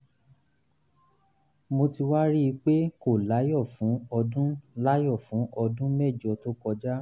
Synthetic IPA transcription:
mo˧ti˧wa˦ɾi˦i˧k͡pe˦ko˦˨la˨˦jɔ˦˨fũ˨˦ɔ˧dũ˦la˦jɔ˦˨fũ˨˦ʔɔ˧dũ˦mɛ˦˨d͡ʒɔ˨˧to˦kɔ˧d͡ʒa˦

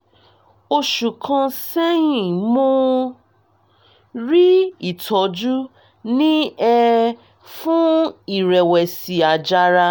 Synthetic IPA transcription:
o˧ʃu˨kʰã˧sɛ˦jĩ˨mo˦ | ɾi˦i˦˨tʰɔ˨˦d͡ʒu˦ | nĩ˦ɛ˧ | fũ˦i˨ɾɛ˨wɛ˨si˨a˨d͡ʒa˧ɾa˧

